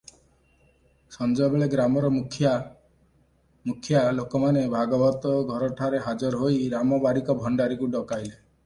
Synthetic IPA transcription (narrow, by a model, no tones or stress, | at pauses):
sɔnd͡ʒɔbeɭeɡɾamɔɾɔmukʰja | mukʰjalokɔmanebʱaɡɔbɔt̪ɔɡʱɔɾɔʈʰaɾeɦad͡ʒɔɾɔɦoiɾamɔbaɾikɔbʱɔɳɖaɾikuɖɔkajle